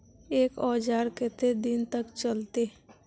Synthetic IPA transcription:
eːkɔːd͡ʒaːɾket̪ed̪ɪnt̪əkt͡ʃəlt̪e

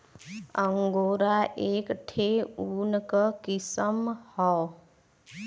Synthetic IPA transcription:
əŋɡoɾaʔekʈʰeunkəkisəmhɔ

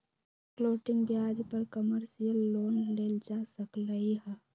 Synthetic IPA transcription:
kloːʈɪ̃ŋɡbjaːd͡ʒpɐɾkəməɾsijəlːoːnleːld͡ʒaːsəkləiɦɛ

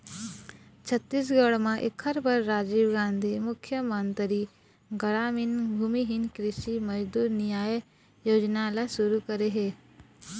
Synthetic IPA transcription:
t͡ʃʰɐt̪ːiːs̬ɡəɭmãʔɪ̰kʰːəɾbɐɾːaːd͡ʒiːʋɡãːnd̪ʱimʊkʰjəmə̃nt̪ɾi | ɡɐɽaːmɪnbʱuːmiɦɪnkɾɪʃimɐd͡ʒd̪uːɾnɪjaːj | joːd͡ʒnalasuɾukɐɾeɦeː

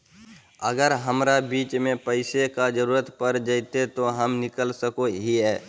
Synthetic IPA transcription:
əɡəɾɦəmɾabiːt͡ʃmẽpəɪsekad͡ʒəɾuːɾət̪pəɾd͡ʒəɪt̪et̪oɦəmnɪkəlsəkoɦiɦɛː

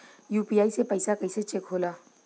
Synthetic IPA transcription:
juːpijaːisepəɪsakɐɪset͡ʃekɦoːlaː

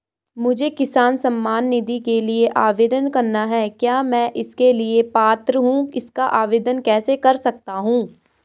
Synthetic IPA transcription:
mʊd͡ʒʱekɪsaːnsɐ̃mːaːnːɪd̪ikelieʔaːʋeːd̪ənkɐɾnaɦɛːkjaːmɛ̃ːʔɪskeliepaːt̪ɾəɦũːɪskaʔaːʋeːd̪ənkɛːsekɐɾsɐk̚t̪aɦũː

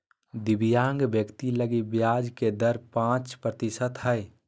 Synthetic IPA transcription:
d̪ɪbijaːŋɡbjəkt̪iləɡibjaːd͡ʒked̪əɾpãːt͡ʃpɾət̪isət̪ɦəe

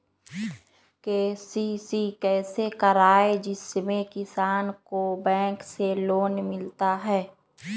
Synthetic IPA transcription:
keːsisikɛːsekəɾaːed͡ʒɪsmẽkɪsaːnkobɛ̃ːŋkseloːnmɪlt̪aɦɛː

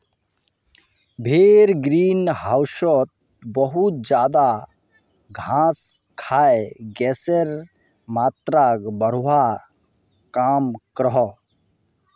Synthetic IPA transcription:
bʱeːɾɡɾiːnɦaʊʃɔt̪̚ | bɔɦut̪̚d͡ʒjaːd̪a | ɡʱãskʰaeɡɛseɾ | maːt̪ɾaɡbəɾ̤wa | kaːmkɾɦɔ

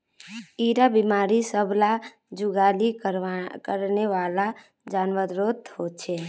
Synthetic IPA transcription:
iɾabimaɾisəbʱla | d͡ʒuɡali | kəɾneʋala | d͡ʒanʋəɾɾot̪ɦot͡ʃʰɛ

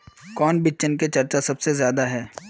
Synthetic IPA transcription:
kɔːnbɪt͡ʃənket͡ʃɐɾt͡ʃasɐbsezjaːd̪aɦɛː

